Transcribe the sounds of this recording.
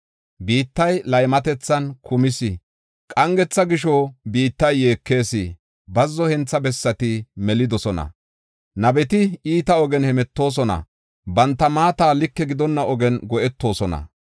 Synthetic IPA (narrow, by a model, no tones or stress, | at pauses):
biːt̪ːɐjlɐjmɐt̪ɛt͡sːɐnkʊmɪsɪ | kʼɐŋɡɛt͡sːɐɡɪʃɔbiːt̪ːɐjːe̞ːkːe̞ːsi | bɐzːɔhɛnt͡sːɐbɛsːɐt̪ɪmɛlɪd̪ɔsɔnɐ̰ | nɐbɛt̪ɪiːt̪ɐɔɡɛnhɛmɛt̪ːo̞ːs̬ɔnɐ̰ | bɐnt̪ːɐmaːt̪aːlɪkːɛɡɪd̪ɔnːɐʔɔɡɛnɡɔʔɛt̪ːo̞ːsɔnɐ̰